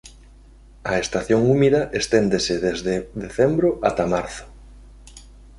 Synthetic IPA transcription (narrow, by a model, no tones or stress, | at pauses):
ɐest̪aθjoŋumiðɐʔest̪end̪esɪðezðeðeθɛmbɾoʔat̪amaɾθʊ̥